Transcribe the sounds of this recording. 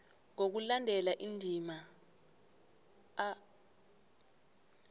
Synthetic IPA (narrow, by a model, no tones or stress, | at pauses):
ŋok̬ulandʱɛlaʔindʱima